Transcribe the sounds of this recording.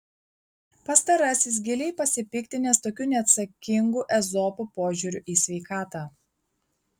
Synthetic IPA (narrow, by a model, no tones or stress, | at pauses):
pɐst̪ɐɾɐsʲɪs̬ɡʲɛlʲɛɪpɐsʲɪpʲɪkt̪ʲɪnʲɛst̪oːkʲʊnʲɛɐt̪sɐkʲɪŋɡuːʔɛzɔpupoːʒʲʊɾʲʊʔiːsʲʋʲɛɪkɑːt̪ɑ